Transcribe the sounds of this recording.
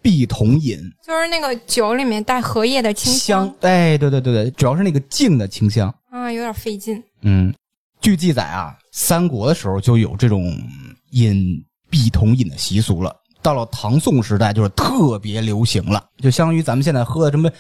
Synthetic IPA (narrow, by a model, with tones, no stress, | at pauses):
pi˥˩t̪ʰʊ˧˥ŋi˨˩˦nt͡ɕjo˥˧ʊʂɻ̩˥˧na˥˩ɡə˩t͡ɕjo˧˥ʊli˨˩mjɛ˥˧nt̪a˥˩ɪxɤ˧˥jɛ˥˩d̪ə˩t͡ɕʰi˥ŋɕɑ˥ŋwe˥˧˩ɪt̪we˥˧ɪt̪wt̬wt̪ʈ͡ʂu˨˩jɑ˥ʊʂɻ̩˥˩na˥˩ɡə˩t͡ɕi˥˩ŋd̪ə˩t͡ɕʰi˥ŋɕjɑ˥ŋ | a˥˧jo˧˥ʊd̪ɑ˨˩fe˥˧ɪt͡ɕi˥˩n | n̩˥˩ | t͡ɕy˥˧t͡ɕi˥˩t͡sa̰˨˩ɪʔɐ̰˧ | sa˥nkwɔ˧˥d̪ə˧ʂɻ̩˧˥xo˧ʊt͡ɕjo˥˩ʊjo̰˨˩ʊʈ͡ʂɤ˥˩ʈ͡ʂʊ˨˩˦ŋi˨˩n | pi˥˩t̪ʰʊ˧˥ŋi˨˩nd̪ə˦ɕi˧˥su˧˥lə̰˧ | t̪ɑ˥˩ʊlə˩t̪ʰɑ˧˥ŋsʊ˥˩ŋʂɻ̩˧˥t̪̬a˥˧ɪt͡ɕjo˥˧ʊʂɻ̩˥˧t̪ʰɤ˥˩pjɛ˧˥ljo˧˥ʊɕi˧˥ŋlə̰˧t͡ɕjo˥˩ʊɕɑ˥ŋ˥ŋy˧˥t͡sa˧˥mə˧nɕjɛ˥˧nt͡sa˥˩ɪxɤ˥d̪ə˩ʂə˧˥m˥˩